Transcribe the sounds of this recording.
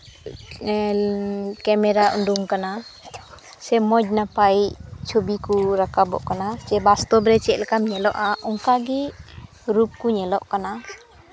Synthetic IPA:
kɛmɛɾaʔṵnduŋkana | sɛmɔd͡ʒ̚napajt͡ʃʰobikuɾakabɔ̰ʔkanasɛbast̪ɔbɾɛt͡ʃɛʔlkamɲɛlɔʔaʔɔŋkaɡi | ɾup̚kuɲɛlɔʔkana

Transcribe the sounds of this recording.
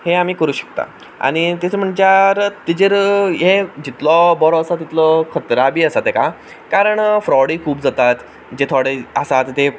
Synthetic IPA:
heam̤iːkəɾuːɕə̥k̚t̪a̰ | a̰ɽ̃it̪it̪ʰem̤əɳd͡ʑaɾt̪id͡ʑəɾɦed͡ʑit̪lɔbɔɾɔəsat̪it̪lɔkʰət̪ɾabʱiːəsat̪eka | kaɾəɳfɾɔɽiːkʰuːbd͡zat̪at̪ | d͡ʑet̪ʰɔɽeəsat̪t̪e

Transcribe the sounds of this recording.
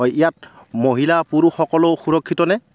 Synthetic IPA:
ɔjijat̚moɦilapuɹuxɔkɔlowxuɹɔkʰːitɔnɛ

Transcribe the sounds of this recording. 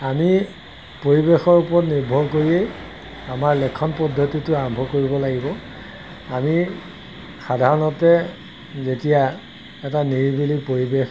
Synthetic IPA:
ami | poɹibexɔɹupɔɹɔtniɹbʱɔɹkoɹiej | amaɹlɛkʰːɔnpɔdʱːotitʊaɹɔmbʱɔkoɹibɔlaɡibɔ | ami | xadʱaɹɔnɔtɛ | zetija | ɛtaniɹibilipoɹibex

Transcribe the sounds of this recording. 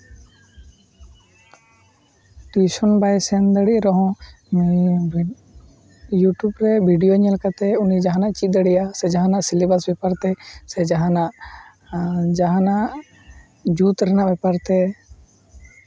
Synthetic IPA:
ʈwisɔnbajsɛnd̪əɽiʔɾɔɦɔ̃ | juʈjubɾɛbʱiɖijoɲɛlkat̪ɛunid͡ʒaɦãnaʔt͡ʃit̪̚ˀd̪əɽiʔasɛd͡ʒaɦãnaʔsilibasbɛpaɾt̪ɛsɛd͡ʒaɦãnaʔ | d͡ʒaɦãnaʔ | d͡ʒut̪ɾɛnaʔbɛpaɾt̪ɛ

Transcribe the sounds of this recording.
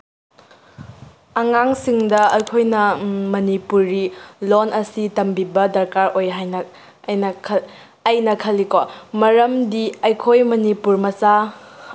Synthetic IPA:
ɐŋaŋsiŋdɐɐjkʰojnɐmɐnipuɾːilonɐsitɐmbibɐdɐɾkaɾojɦajnɐ | jnɐkʰ | ɐjnɐkʰɐlːikomɐɾɐmdiɐjkʰojmɐnipuɾmɐsa

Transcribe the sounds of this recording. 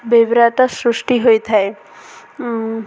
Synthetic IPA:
bebɾaʈasɾusʈiɦojt̪ʰae

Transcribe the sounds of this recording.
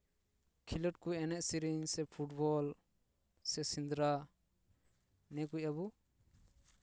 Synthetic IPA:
kʰilɔʈ̚kuɛnɛʔsiɾiɲsɛpʰuʈbɔl | sɛsind̪ɾa | nɛkucabu

